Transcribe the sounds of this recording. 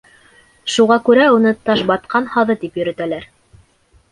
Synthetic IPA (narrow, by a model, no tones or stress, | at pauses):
ʃuʁɑkʉɾæunɤt̪ɑʃbɑt̪̚qʰɑnhɑðɤt̪ipjɵ̆ɾɘ̆t̪ælæɾ